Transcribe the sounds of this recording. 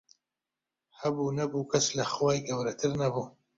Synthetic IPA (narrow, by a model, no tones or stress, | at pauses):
habunabukaslaxwaːjɡawɾat̪ʰɨɾnabu